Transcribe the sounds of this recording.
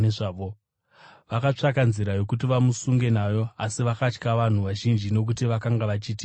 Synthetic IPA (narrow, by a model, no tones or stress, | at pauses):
eʐaːʋo | ʋakat͡ʂakanziɾajo̞kut̬iʋamusuŋɡe̞naːjo̞asiʋakat͡ʃkaʋan̤uʋaʒind͡ʒino̞k̬utiʋakaŋɡaʋat͡ʃiːti